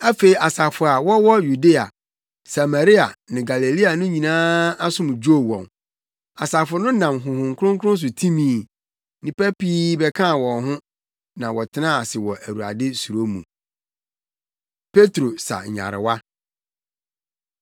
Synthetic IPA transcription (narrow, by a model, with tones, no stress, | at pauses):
æ˦fe˨i˨a˨sa˨fʊ˨a˨wɔ˦wɔ˦ju˨de˦a̰˨ | sa˨ma˨ɾi˦a̰˨nɪ̃˨ɡa˨le˨li˦a˨nʊ̃˦ɲĩ˨nãː˦a˦sʊ̃˦mʊ̃˨d͡ʑo˦˨wɔ̰̃˨n | a̰˨sa˨fʊ˨ʊ˨nʊ̃˦nã˨mɦʊ̃˨hʊ̃˨ŋkʰʊ˦ɾʊ̃˦ŋkʊ˦ʊ̃˦n˦s̬ʊ˨tʰĩ˦mĩː˨ | nĩ˨pæ˦piː˦bɛ˨kʰã˦˨wɔ̃˨nɦʊ̃˦ | nã˨wɔ˨tʰɪ˦nã˦a˨sɪ˨wɔ˨ʔæ˨wu˨a̰˨dɪ˦su˨ɾo˦mṵ̃˨ | pʰe˦tɾo˨sa̰˨ɲa̰˨ɾɪ̰˨wa˦